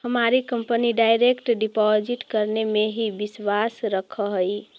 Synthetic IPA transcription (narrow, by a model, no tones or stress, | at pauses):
ɦəmaɾikəmpəniɖajɾekʈɖipɔd͡ʒiʈkəɾnemeɦibiswasɾəkʰəɦəj